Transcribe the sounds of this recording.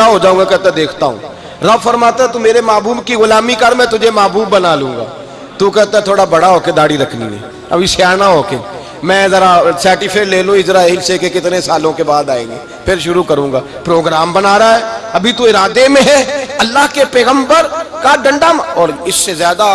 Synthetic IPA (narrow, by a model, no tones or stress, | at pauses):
aɦod͡ʒaːũŋɡakɛɦt̪ẽd̪eːkʰt̪aɦṵ̃ː | ɾɐbfɐɾmaːt̪eɛ̃t̪̬umeːɾemaːbuːbkiɣʊlaːmikəɾmɛ̃t̪ʊd͡ʒʱemaːbuːbːɐnaːlũːŋɡa̰ː | t̪ũkɛɦt̪aɛ̃t̪ʰoːɽabɐɽaɦoːked̪aːɽiɾɐkʰnḭḛ̃ | ɐ̰bʱiʃjaːnaɦoːke | mɛ̃ːzɐɾasɛːʈɪfʰeːleːlũɪd͡ʒɾaːilsekekɪt̪nesaːlõkebaːd̪aːḛ̃ːŋɡeː | pʰɪɾʃʊɾukɐɾũːŋɡaː | pɾoːɡɾaːmbɐnaːɾaɦɛːɐbʱit̪uɪɾaːd̪emẽɦɛɐlːaːɦkepɛːɣə̃mbəɾkaɖɐ̃ɳɖamɔːɾɪsːezjaːd̪a